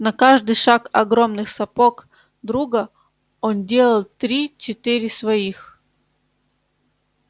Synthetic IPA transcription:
nɐkaʐd̪ɨjʂakɐɡɾo̞mnɨxsɐpok | d̪ɾuɡə | ondʲe̞lˠəlˠt̪ɾʲit͡ɕɪt̪ɨɾʲɪsvɐix

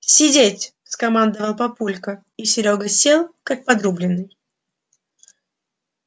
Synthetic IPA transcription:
sʲɪdʲetʲ | skɐmand̪əvəlˠpɐpulʲkə | isʲɪɾʲoɡəsʲelˠkak̚pɐd̪ɾublʲɪnːɨj

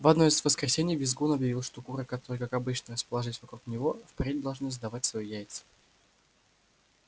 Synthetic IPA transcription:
vɐd̪no̞ɪzvəskɾʲɪsʲenʲɪjvʲɪzɡunɐbjɪvʲilˠʂt̪okuɾəkɐt̪oɾɨjkakɐbɨt͡ɕnərəspəlˠɐʐɨsʲvɐkɾuknʲɪvo̞fpɾʲed̪̚ʲd̪ɐlˠʐnɨzd̪ɐvat̚ʲsvɐjujæjt̪sɨ̥

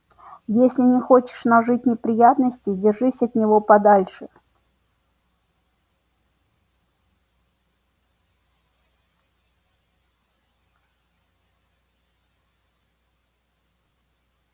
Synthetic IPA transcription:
jesʲlʲɪnʲɪxot͡ɕɪ̥ʂnɐʐɨt̚ʲnʲɪpɾʲɪjat̪nəsʲtʲɪdʲɪrʐɨsʲɐt̪nʲɪvo̞pɐd̪alʲʂɨ

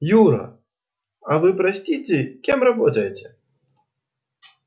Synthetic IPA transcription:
juɾɐ̰ | ɐvɨpɾasʲt͡sʲit͡sʲɛkʲimrabɔt̪ɐjet͡sʲɛ

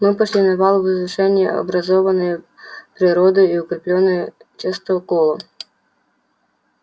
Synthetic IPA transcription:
mɪpɔʃlʲinɐβɑlˠʊʋɪzʋɪʃɛnʲːɐɔ̰bɾɐzɔʋɐnɔjʊ | pɾɪɾɔd̪ɪjiʊkɾɪplʲɔnːɔjʊt͡ʃɪst̪ɔkɔlˠɔ

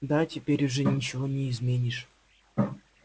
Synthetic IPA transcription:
d̪atʲɪpʲeɾʲʊʐɨnʲit͡ɕɪvonʲɪːzmʲenʲiʂ

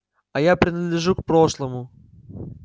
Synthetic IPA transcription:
ɐjapɾʲɪnəd̪lʲɪʐukpɾo̞ʂlˠəmʊ

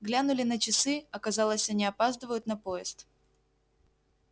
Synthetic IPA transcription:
ɡlʲanʊlʲɪnət͡ɕɪsɨɐkɐzɑlˠəsʲɐnʲɪɐpazd̪əvəjʊt̪nɐpojɪst̪

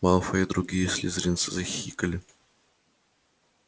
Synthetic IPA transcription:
malˠfəɪd̪ɾʊɡʲijəsʲlʲɪzɾʲint̪sɨzɐxʲikəlʲɪ

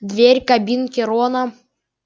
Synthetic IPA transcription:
d̪vʲerʲkɐbʲinkʲɪɾɔnɐ

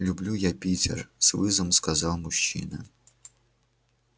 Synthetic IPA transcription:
lʲublʲujapʲit͡sʲɛ̰rsvˠɨzɔmskazɑwmʊɕːḭnɐ̰

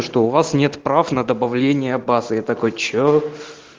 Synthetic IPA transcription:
ʂt̪o̞ʊvasnʲe̞t̪pɾafnəd̪əbɐvlʲenʲɪjəbasɨjat̪ɐkojt͡ɕo

